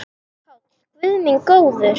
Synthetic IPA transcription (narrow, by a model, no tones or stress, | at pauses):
aw | kvʏðniŋkoːwðʏɾ